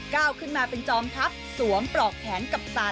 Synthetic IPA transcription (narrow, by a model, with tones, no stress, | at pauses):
kaː˥˩wkʰɯ˥˩nmaː˧pe˧nt͡ɕɔː˧mt̪ʰa˦˥p̚su˩˦əmpɾɔː˨˩k̚pʰɛː˩˦nka˨˩p̚saː˨˩